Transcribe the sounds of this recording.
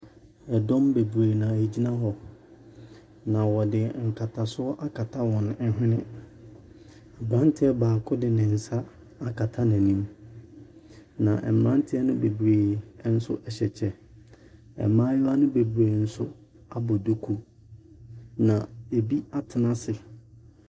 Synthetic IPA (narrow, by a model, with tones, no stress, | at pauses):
ɛ˨dɔ̃˦mbe˨bu˨ɾe˨nã˨e˨d͡ʑi˦nã˦ɦɔ˨ | nã˨wɔ˨dɪ˨ŋ̩˨kʰa˨tʰa˨sʊ˦ɔ˦ʔa˦kʰa˨tʰa˦wɔ̃˨n˨˦ɛ˦ɦɪ̃˦nɪ̃˦ | a˨bɾã˦n˦tʰɪ˦ɛ˦baː˨kʰʊ˦dɪ˨nɪ̃˨n̩˨sa˦ | a˦kʰa˨tʰa˦næ̃˨nĩ˦m | nã˨ʔɛ̰˨mɾã˦n˦tʰɪ˦ɛ˦nʊ̃˦be˨bu˨ɾeː˨˦n̩˦sʊ̰˦ʔɛ˨ɕɛ˨t͡ɕʰɛ˦ | ɛ̰˨mãː˦jʊ˦a˦nʊ̃˦be˨bu˨ɾeː˨n̩˦sʊ˦ | a˦bɔ˨do˦kʰu˦ | nã˨e˨bi˦a˦tʰɪ˨nã˦sɪ˨